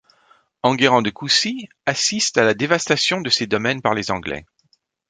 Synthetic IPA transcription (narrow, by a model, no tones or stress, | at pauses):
ɑ̃ɡeʁɑ̃d̪əkusi | asist̪alad̪evast̪asjɔ̃d̪əsed̪ɔmɛnpaʁlezɑ̃ɡlɛ̰